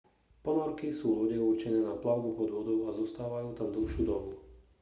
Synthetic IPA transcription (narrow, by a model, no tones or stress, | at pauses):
pɔnɔɾkisuːlɔɟɛuɾt͡ʃɛnɛːnaplaʊɡupɔd̪ʋɔd̪ɔʊazɔst̪aːʋajuːt̪amd̪l̩ʃuːd̪ɔbu